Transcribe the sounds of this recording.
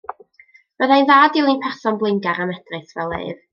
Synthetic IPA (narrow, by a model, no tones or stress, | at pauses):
b̥əðajnðaːdɪlˠinpʰɛrsɔnblˠɪŋɡaɾanɛd̥rɨθvɛlˠḛɨð